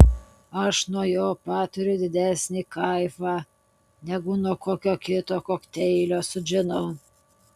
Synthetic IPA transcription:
ɐʃnuɔjoːpɑːt̪ʊɾʲʊd̪ʲɪd̪ʲæːsʲnʲiːkɐɪfɑː | nʲɛɡʊnuɔkoːkʲoːkʲɪt̪oːkoːkt̪ʲɛɪlʲoːsʊʒʲɪnɐʊ

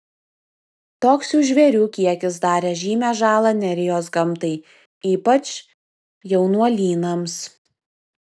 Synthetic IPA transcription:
t̪oːksʲuːʒʲʋʲɛɾʲuːkʲiɛkʲɪsd̪ɑːɾʲeːʒʲiːmʲæːʒɑːlˠɐnʲɛɾʲɪjoːs̬ɡɐmˑt̪ɐɪ | iːpɐt͡ʃ | jɛʊnuɔlʲiːnɐms

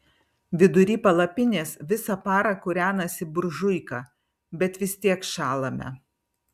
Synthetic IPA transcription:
ʋʲɪd̪ʊɾʲiːpɐlˠɐpʲɪnʲeːsʋʲɪsɐpɑːɾɐkʊɾʲæːnɐsʲɪbʊɾʒʊɪkɑː | bʲɛt̪ʋʲɪsʲt̪ʲiɛkʃɑːlˠɐmʲɛ̰

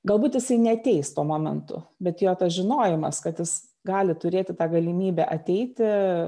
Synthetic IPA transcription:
ɡɐlˠbuːt̪jɪsɐɪnʲɛɐt̪ʲɛɪst̪uɔmoːmʲɛ̰nt̪ʊ̰bʲɛt̪joːt̪ɐsʒʲɪnoːjɪmɐ̰skɐt̪jɪs | ɡɑːlʲɪt̪ʊɾʲeːt̪ʲɪt̪ɑːɡɐlʲɪmʲiːbʲæʔɐt̪ʲɛɪt̪ʲɪ

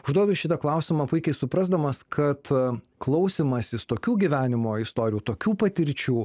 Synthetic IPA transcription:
ʊʒd̪uɔd̪ʊʃʲɪt̪ɐklˠɐˑʊsʲɪmɐpʊɪkʲɛɪsʊpɾɐzd̪ɐmɐskʰɐt̪ | klˠɐʊsʲiːmɐsʲɪst̪oːkʲuːɡʲiʋʲæːnʲɪmoːɪst̪oːɾʲɪjuːt̪oːkʲuːpɐt̪ʲɪɾʲt͡ʃʲuː

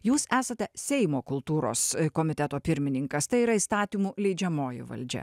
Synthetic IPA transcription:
juːsæːsɐt̪ʲɛsʲɛɪmoːkʊlˠt̪uːɾo̰ːskoːmʲɪt̪ʲɛt̪oːpʲɪɾʲmʲɪnʲɪŋkɐst̪ɐɪiːɾɐist̪ɑːt̪ʲimuːlʲɛɪd͡ʒʲɛmoːjʊ̰ʋɐ̰lʲd͡ʒʲɛ̰

